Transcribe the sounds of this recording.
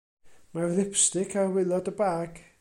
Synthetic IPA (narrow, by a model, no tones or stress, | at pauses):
marðɪpstɪkʰawɪlˠɔdəbaːɡ̥